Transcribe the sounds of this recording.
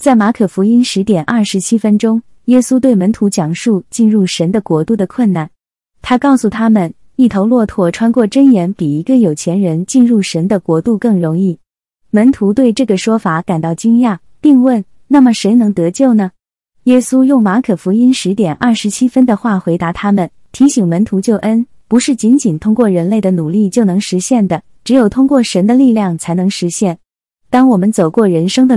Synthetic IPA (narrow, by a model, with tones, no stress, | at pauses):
t͡sa˥˩ɪma˧˥kʰɤ˨˩fu˧˥i˥nʂɻ̩˧˥t̪jɛ˨˩nʔɐ˥˩ʂɻ̩˧˥t͡ɕʰi˥fə˥nʈ͡ʂʊ˥ŋ | jɛ˥su˥t̪we˥˩ɪmə˧˥nt̪ʰu˧˥t͡ɕjɑ˨˩ŋʂu˥˧t͡ɕi˥˧nɻu˥˩ʂə˧˥nd̪ə˧kwɔ˧˥t̪u˥˩d̪ə˩kʰwə˥˩nna˥˩n | t̪ʰa˥kɑ˥˩ʊsu˨˩t̪ʰa˥mə˨n | i˥˩t̪ʰo˧˥ʊlwɔ˥˧t̪ʰwɔ˥˩ʈ͡ʂʰwa˥nkwɔ˥˩ʈ͡ʂə˥njɛ˧˥npi˨˩i˧˥ɡə˧˨jo˨˩ʊt͡ɕʰjɛ˧˥nɻə˧˥nt͡ɕi˥˧nɻu˥˩ʂə˧˥nd̪ə˧kwɔ˧˥t̪u˥˧kɤ˥˩ŋɻʊ˧˥ŋi˥˩ | mə˧˥nt̪ʰu˧˥t̪we˥˧ɪʈ͡ʂɤ˥˩ɡə˩ʂwɔ˥fa˨˩˦ka˨˩nt̪ɑ˥˩ʊt͡ɕi˥ŋja˥˩ | pi˥˧ŋwə˥˩n | na˥˩mə˩ʂe˧˥ɪnɤ˧˥ŋt̪ɤ˧˥t͡ɕjo˥˩ʊnə˩ | jɛ˥su˥jʊ˥˩ŋma˧˥kʰɤ˨˩fu˧˥i˥nʂɻ̩˧˥t̪jɛ˨˩nʔɐ˞˥˩ʂɻ̩˧˥t͡ɕʰi˥fə˥nd̪ə˨xwa˥˩xwe˧˥ɪt̪a˧˥t̪ʰa˥mə˨n | t̪ʰi˧˥ɕi˨˩ŋmə˧˥nt̪ʰu˧˥t͡ɕjo˥˩ʊʔə˥n | pu˧˥ʂɻ̩˥˩t͡ɕi˧˥nt͡ɕi˨˩nt̪ʰʊ˥ŋkwɔ˥˩ɻə˧˥nle˥˩ɪd̪ə˩nu˨˩li˥˩t͡ɕjo˥˩ʊnɤ˧˥ŋʂɻ̩˧˥ɕjɛ˥˩nd̪ə˩ | ʈ͡ʂɻ̩˧˥jo˨˩ʊt̪ʰʊ˥ŋkwɔ˥˩ʂə˧˥nd̪ə˧li˥˧ljɑ˥˩ŋt͡sʰa˧˥ɪnɤ˧˥ŋʂɻ̩˧˥ɕjɛ˥˩n | t̪ɑ˥ŋwɔ˨˩mə˦nt͡so˨˩ʊkwɔ˥˩ɻə˧˥nʂɤ˥ŋd̪ə˨